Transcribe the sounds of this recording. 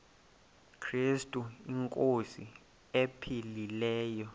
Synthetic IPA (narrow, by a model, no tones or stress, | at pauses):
kʰrestʼuiŋkʼosi | epʰililɛːjɔ